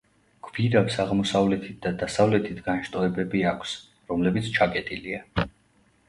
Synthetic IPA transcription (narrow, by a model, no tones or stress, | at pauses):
ɡ̥viɾabsaʁmɔsavlɛt̪ʰit̪̚ʰd̪ad̪asavlɛt̪ʰit̪ʰɡanʃt̪ʼɔɛbɛbiakʷʰs | ɾɔmlɛbit̪sʰt͡ʃʰakʼɛt̪ʼilia